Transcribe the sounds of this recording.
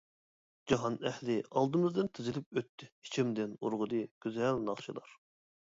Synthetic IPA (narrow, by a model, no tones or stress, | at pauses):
d͡ʒɑɦɑnɛhlɪɑlˠd̪ɨmɨzd̪ɨnt̪ʰɪzɪlɪp̚øt̪ʰːɪhi̥t͡ʃʰimd̪ɪnuɾʁʊd̪ɨɡ̥ʲyzɛlnɑχʃɨlˠɑ̰ɾ